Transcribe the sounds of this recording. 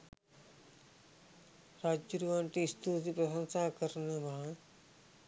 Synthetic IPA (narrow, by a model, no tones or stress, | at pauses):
ɾad͡ʒuɾuʋaɳʈiːst̪ut̪ipɾɐsɐnsaːkɐɾnɐma